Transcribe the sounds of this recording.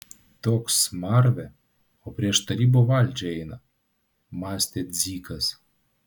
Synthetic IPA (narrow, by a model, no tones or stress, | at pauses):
t̪oksmɑrvʲɛ | opʲɾʲiɛʃt̪ɐɾʲibovalʲd͡ʒʲɛjnɐ | mɑsʲt̪ʲet̪zʲikɐs